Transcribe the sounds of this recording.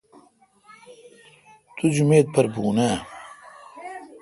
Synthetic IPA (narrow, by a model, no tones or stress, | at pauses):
t̪ud͡ʑumeːd̪̚pʰɐɾbuːnaː